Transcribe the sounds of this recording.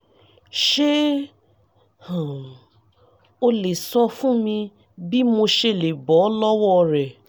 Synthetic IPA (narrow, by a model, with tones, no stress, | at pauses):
ʃe˦ | hã˨ | o˧le˨sɔ˧fũ˦mĩ˧ | bi˦mo˧ʃe˧˨le˨bɔ˨˦lɔ˦wɔ˦ɾɛ˨